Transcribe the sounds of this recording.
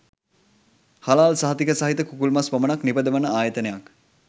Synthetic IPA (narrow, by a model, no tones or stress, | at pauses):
halaːlsaɦɐt̪ikəsaɦit̪əkukulmaspɐmənaknipəd̪əʋənəaːjət̪ənejak